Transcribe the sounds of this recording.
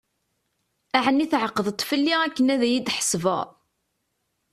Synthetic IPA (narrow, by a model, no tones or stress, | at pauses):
æʕənːiθʕəqːəðət̪ˤːfəlːiækːənæðæjid̪ħə̥svə̰ʁ